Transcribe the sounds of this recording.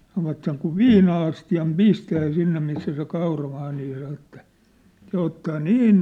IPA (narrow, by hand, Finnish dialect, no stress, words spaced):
sɑnoʋɑt seŋ kuʋ ʋiːnɑɑstiɑm pistæː sinːe misːæ se kɑurɑmɑː niː sɑn̞̆ etːæ se otːɑː niːn